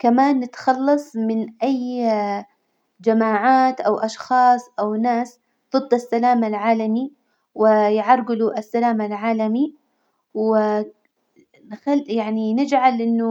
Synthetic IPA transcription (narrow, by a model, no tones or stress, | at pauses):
kamaːnːɪt̪xɑlːɑsˤmɪnʔaj | d͡ʒamaːʕaːt̪ʔawʔɑʃxɑːsˤʔawnaːs | d̪̥ˤɨd̪ˤːasːalaːmalʕaːlami | wɪjʕɑɾˤɡɪluʔasːalaːmalʕaːlami | wɪ | nxaljaʕninɪd͡ʒʕalʔɪnːʊ